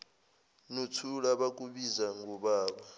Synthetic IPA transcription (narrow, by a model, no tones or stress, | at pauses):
nutʰulaɓak̬ʼuɓizaŋɡuɓaːɓa